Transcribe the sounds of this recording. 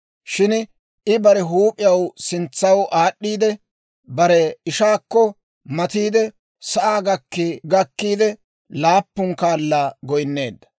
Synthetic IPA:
ʃɪn | ʔɪbɐɾɛɦuːpʼɪjɐwsɪnt͡sːɐwʔaːɗːiːd̪ɛ | bɐɾɛɪʃaːkːɔ | mɐt̪iːd̪ɛ | sɐʔaːɡɐkːɪɡɐkːiːd̪ɛ | laːpːʊŋkaːlːaːɡɔjnːe̞ːd̪ːɐ̥

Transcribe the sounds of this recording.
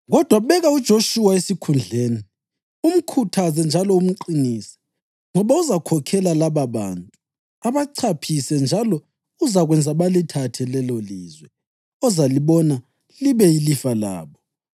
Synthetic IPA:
ɣɔd̥ʱwaɓɛɣaud̥ʒ̥ʱoʃuwaesikʰund͡ɮʱeːni | um̩kʰutʰazɛnd͡ʒʱalɔum̩ǃinisi̥ | ŋɔβauzakʰɔkʰɛlalaβaβa̰ntʼu | aβaǀʰapʰisɛnd͡ʒʱalɔ | uzaɣwɛnd͡zʱaβalitʰatʰɛlɛloliːzwɛ | ɔzaliβɔna | liβɛilifala̰ːβɔ

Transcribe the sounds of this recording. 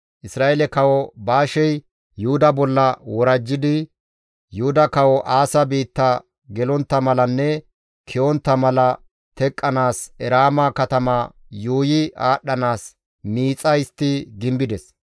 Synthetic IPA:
ʔɪsɾaːʔɛlɛkɐwɔbaːʃɛj | jʊhʊd̪ɐbɔlːɐwɔɾɐd͡ʒːɪd̪ɪ | jʊhʊd̪ɐkɐwɔʔaːsɐbiːt̪ːɐ | ɡɛlɔnt̪ːɐmɐlɐnːɛ | kʰɪɔnt̪ːɐmɐlɐ | t̪ɛkʼːɐnaːsɛɾaːmɐkɐt̪ɐmɐ | juːjɪaːɗːɐnaːs | miːt͡sʼɐjst̪ːɪɡɪmbɪd̪ɛs

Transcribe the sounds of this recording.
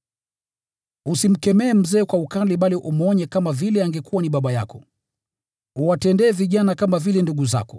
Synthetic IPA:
usim̩kɛmɛːm̩zɛːkwaukaliɓaliʔumɔɲɛkamavilɛaŋɡɛkuwaniɓaɓaja̰kɔ | uwatɛndɛːviʄanakamavilɛnduɡuza̰kɔ

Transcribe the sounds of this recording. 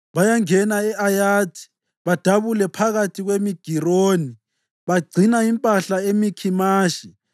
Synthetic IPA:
βajaŋɛnaɛʔajaːtʰi̥ | βad̥ʱaβulɛpʰaɣatʰiɣwemiɡ̥ʱiroːni | βaɡ͡ǀʱinaimpʼaɬaemikʰimaːʃi

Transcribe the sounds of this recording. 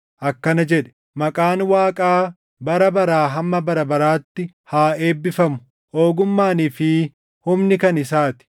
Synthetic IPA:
ʔɐkːɐnɐd͡ʒɛᶑɛ̥ | mɐkʼaːnwaːkʼaː | bɐɾɐbɐɾaːɦɐmːɐbɐɾɐbɐɾaːt̪ːɪ | haːe̞ːbːɪfɐmʊ̥ | ʔoːɡʊmːaːniːfɪ | hʊmnɪkɐnɪsaːt̪ɪ̥

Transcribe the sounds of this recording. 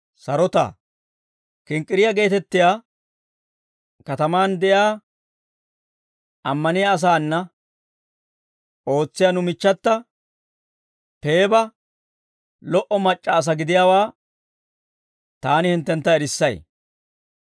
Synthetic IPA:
sɐɾɔt̪a̰ | kɪŋkʼːɪɾɪjɐɡe̞ːt̪ɛt̪ːɪjaː | kɐt̪ɐmaːnd̪ɛjaː | ʔɐmːɐnɪjaːs̬aːnːɐ | ʔo̞ːt͡sːɪjanʊmɪt͡ʃːɐt̪ːɐ | pe̞ːbɐ | lɔʔɔmɐt͡ʃʼːɐːs̬ɐɡɪd̪ɪjaːwaː | t̪aːnɪhɪnt̪ːɛnt̪ːɐɛɾɪsːɐj

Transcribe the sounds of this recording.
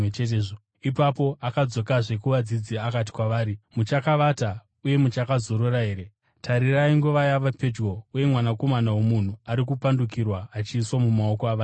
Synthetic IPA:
et͡ʃeteːʐo | ipapo̞ʔakad͡zo̞kaʐe̞kuʋad͡zid͡ziakat̬i̥kwaʋaːɾimut͡ʃakaʋata | uje̞mut͡ʃakazo̞ɾoraɦe̞ːɾe̞ | tʰaɾiraiŋɡuʋajaʋape̞d͡ʒɡo̞uje̞mwanako̞manawo̞mun̤uaɾikupandukirwaːt͡ʃiːswamumao̞koaʋaː

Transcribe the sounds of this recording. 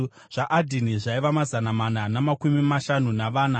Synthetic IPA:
ʐ̥aʔadʱiniʐaiʋamazanamananamakumimaʃanunaʋaːna

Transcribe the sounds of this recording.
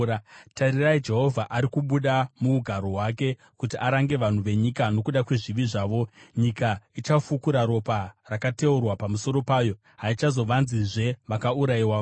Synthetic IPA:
taɾiraid͡ʒe̞ɦo̞vʱaʔaɾikuɓuɗamuuɡʱaɾo̞ɦwake̞ | kutiʔaɾaŋɡe̞ʋan̤uʋe̞ɲikano̞kuɗakwe̞ʐiʋiʐaːʋo̞ɲikait͡ʃafukuɾaɾo̞parakate̞urwapamuso̞ɾo̞paːjo̞ | ɦait͡ʃazo̞ʋanziʐe̞ʋakauɾaiwaːo

